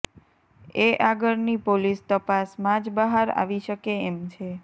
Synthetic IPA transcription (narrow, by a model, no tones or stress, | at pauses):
eʔaɡəɾnipolist̪əpasmãd͡ʒbəɦaɾa̰ʋiʃəkeemt͡ʃʰe